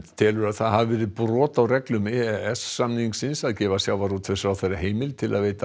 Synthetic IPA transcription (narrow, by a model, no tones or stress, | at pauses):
t̪ʰɛːlʏɾaðθaðhavɪvɛːɾɪðpɾɔːt̪awrɛklʏmɛːɛɛsːamniŋksɪnsaðcɛːvasjaːwvaɾut̪ʰfɛsɾawθejraɦeːjmɪlt̪ʰɪlaðveːjt̪a